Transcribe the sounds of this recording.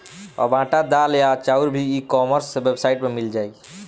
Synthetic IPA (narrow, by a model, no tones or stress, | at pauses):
ɔ̰ɾbãʈad̪aljat͡ʃauɾbʱiːkɔməɾsebebsaiʈmemild͡ʒaj